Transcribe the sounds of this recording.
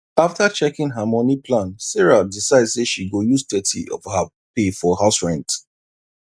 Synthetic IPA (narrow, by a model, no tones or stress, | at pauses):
aftat͡ʃɛkĩnɦamɔnipʰlãnsɛɹadisaɪdz̥seʃiɡojuztɛtʰḭɔ̰vha | pefɔhaʊsɹɛ̃nt